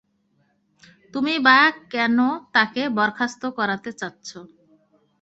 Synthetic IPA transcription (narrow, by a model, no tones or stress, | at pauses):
t̪umibaakɛnot̪akebɔɾkʰast̪okɔɾat̪et͡ɕatːɕʰo